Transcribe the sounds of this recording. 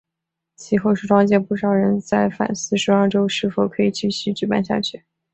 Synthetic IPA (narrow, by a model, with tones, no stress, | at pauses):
t͡ɕʰi˧˥xo˥˧ʊʂɻ̩˥˩ʈ͡ʂwɑ˥ŋt͡ɕjɛ˥˧pu˥˩ʂɑ˨˩ʊɻə˧˥nt͡sa˥˩ɪfa̰˨˩nsɹ̩˥˧ʂɻ̩˧˥ɑ˞˥˧ʈ͡ʂo˥ʊʂɻ̩˥˩fo˨˩ʊkʰɤ˧˥i˨˩t͡ɕi˥˩ɕy˧˥ʈ͡ʂɻ̩˨˧˥pa̰˥˧nɕja̰˥˧t͡ɕʰy˥˩